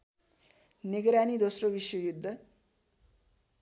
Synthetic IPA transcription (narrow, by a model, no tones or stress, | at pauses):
niɡɾanid̪osrobiswʌjud̪ʱːʌ